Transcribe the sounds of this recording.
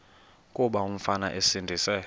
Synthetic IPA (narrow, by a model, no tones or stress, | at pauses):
kʼuɓaum̩fana̰ʔesindʱiːsɛ